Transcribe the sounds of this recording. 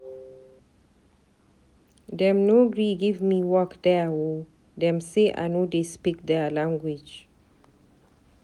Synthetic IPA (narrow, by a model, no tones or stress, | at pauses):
dɛ̃mnoɡɹiɡivmiwɔkdɛwo | dɛ̃mseʔa̰ɪnodespik̚dɛlãŋɡwid͡ʒ